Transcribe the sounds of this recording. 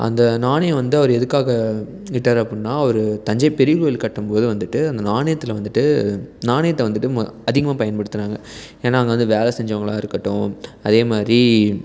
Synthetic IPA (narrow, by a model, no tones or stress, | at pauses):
ʔɐ̰nd̪ɐnaːnɐjɐ̃ʋɐnd̪ɯɐʋɐɾɯɛðɯkːaːɣɐ | ɪʈːɐɾɐpːinnːaːɐɔʋɐɾɯt̪ɐɲd͡ʒɐpɛɾɪʋɯɪlkɐʈːɯmpoːðɯʋɐnd̪ɯʈːɯɐnd̪ɐnaːɳɐjɐt̪ːɪlʋɐnd̪ɯʈːɯnaːɳɐjɐt̪ːɐʋɐnd̪ɯʈːɯmɐðɪɣɐmaːpɐjɐnpɐɽɯt̪ːɯnaːŋɡɐeːnːaːɐŋɡɐʋɐnd̪ɯʋeːlɛsɛɲd͡ʒɐʋɐŋɡɐɭãːɪɾɯkːɐʈːʊ̃ɐðeːmaːd̪ɾi